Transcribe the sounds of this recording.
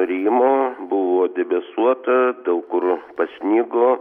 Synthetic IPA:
ɾʲiːmoːbʊʋoːd̪ʲɛbʲɛsuɔt̪ɐd̪ɐʊkʊrpɐsʲnʲiːɡoː

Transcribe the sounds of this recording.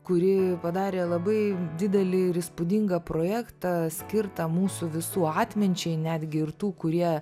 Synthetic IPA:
kʊɾʲɪpɐd̪ɑːɾʲeːlˠɐbɐɪd̪ʲɪd̪ʲɛlʲɪɪɾɪspʊd̪ʲɪŋɡɐpɾoːjæːkt̪ɑsʲkʲɪrt̪ɐmuːsʊʋʲɪsuːɑːt̪ʲmʲɪnʲt͡ʃʲɛɪnʲæːd̪ʲɡʲɪɪrt̪uːkʊɾʲiɛ

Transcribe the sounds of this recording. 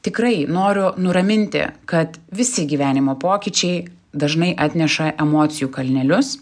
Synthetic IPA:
t̪ʲɪkɾɐɪnoːɾʲʊnʊɾɐmʲɪnʲt̪ʲɪ̰kɐt̪ʋʲɪsʲɪɡʲiːʋʲæːnʲɪmoːpoːkʲit͡ʃʲɛɪ | d̪ɐʒnɐɪʔɑːt̪ʲnʲɛʃɐʔɛmoːt̪sʲɪjuːkɐlʲnʲɛlʲʊs

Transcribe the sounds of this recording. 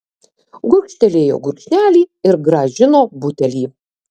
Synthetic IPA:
ɡʊkʃʲt̪ʲɛlʲeːjo̰ːɡʊɾkʃʲnʲæːlʲiːɪɾɡɾɐʒʲɪnoːbʊt̪ʲɛlʲiː

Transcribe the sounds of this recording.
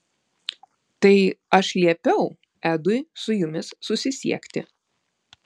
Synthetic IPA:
t̪ɐɪɐʃlʲiɛpʲɛʊ | æːd̪ʊjsʊjʊmʲɪsːʊsʲɪsʲḭɛkʲt̪ʲɪ̰

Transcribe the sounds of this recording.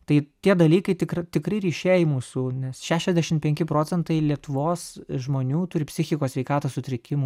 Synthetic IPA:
t̪ɐɪt̪ʲiɛd̪ɐlʲiːkɐɪt̪ʲɪkɾɐt̪ʲɪkɾɐɪɾʲiːʃʲeːjɪmuːsunʲɛsʃʲæːʃʲɛzʲd̪ʲæʃʲɪmpʲɛŋʲkʲɪpɾoːt͡sʲɛnt̪ɐɪlʲiɛt̪ʊʋoːsʒmoːnʲuːt̪ʊɾʲɪpʲsʲɪxʲɪkoːsʲʋʲɛɪkɑːt̪osʊt̪ʲɾʲɪkʲɪmʊ

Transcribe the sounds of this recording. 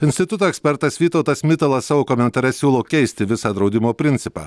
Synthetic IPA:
ɪnʲsʲt̪ʲɪt̪ʊt̪oːɛksʲpʲɛɾt̪ɐsʋʲiːt̪ɒʊt̪ɐsmʲɪt̪ɐlˠɐssɑːʋoːkomʲɛnt̪ɐɾʲɛsʲuːlˠoːkʲɛɪsʲt̪ʲɪʋʲɪsɑːd̪ɾɒʊd̪ʲɪmoːpʲɾʲɪnʲt̪sʲɪpɑ̰ː

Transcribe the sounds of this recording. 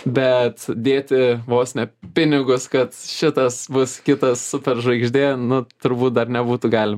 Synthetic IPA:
bʲɛt̪d̪ʲeːt̪ʲɪʋoːsʲnʲɛpʲɪnʲɪɡʊskɐt̪ʃʲɪt̪ɐsbʊskʲɪt̪ɐssʊpʲɛrʒɐɪɡʒʲd̪ʲeːnʊt̪ʊɾbuːt̪̚d̪ɐrnʲɛbuːt̪ʊɡɑːlʲɪmɐ

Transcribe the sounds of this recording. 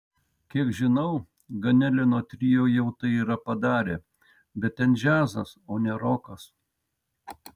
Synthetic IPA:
kʲiɛkʒʲɪnɐʊ | ɡɐnʲɛlʲɛnoːt̪ʲɾʲijoːjɛʊt̪ɐɪiːɾɐpɐd̪ɑːɾʲeː | bʲɛt̪̚t̪ʲɛnʒʲæːzɐsoːnʲɛɾoːkɐs

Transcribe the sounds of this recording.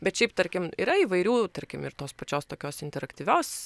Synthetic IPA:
bʲɛt̪ʃʲɛɪpt̪ɐɾʲkʲɪmiːɾɐiːʋɐɪɾʲuːt̪ɐɾʲkʲɪmɪɾt̪oːspɐt͡ʃʲoːst̪oːkʲoːsɪnʲt̪ʲɛɾɐkt̪ʲiːʋʲoːs

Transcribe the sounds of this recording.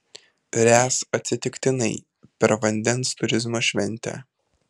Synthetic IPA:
ɾʲæːsɐt̪ʲsʲɪt̪ʲɪkt̪ʲɪnɐɪ | pʲɛɾʋɐnʲd̪ʲɛnst̪ʊɾʲɪzmoːʃʲʋʲɛnʲˑt̪ʲæ̰

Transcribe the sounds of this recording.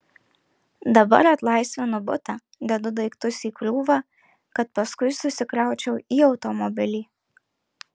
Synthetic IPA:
d̪ɐbɐ̰ɾɐt̪lˠɑɪsʲʋʲɛnʊbʊt̪ɑ | d̪ʲɛd̪ʊd̪ɐɪkt̪ʊsʲiːkɾuːʋɑː | kɐt̪pɐskʊɪsʊsʲɪkɾɑˑʊt͡ʃʲɛʊʔiːɒʊt̪ɔmɔbʲɪlʲiː

